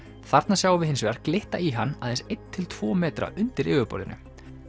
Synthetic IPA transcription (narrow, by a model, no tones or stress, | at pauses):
θaɾt̪nasjaːwvɪðɦɪns̬ʏɣaɾ̥klɪht̪aiɦanːaðɛnsejt̪ʰːɪlt̪ʰv̥ɔːmɛːt̪ɾa̰ʔʏnt̪ɪɾɪːɣʏpɔ̰ɾʏ̰nʏ̰